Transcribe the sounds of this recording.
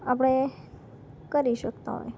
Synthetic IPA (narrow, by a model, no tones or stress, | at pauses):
ap̬ɽ̃e | kəɾiʃəkt̪a̰ɦɔ̰j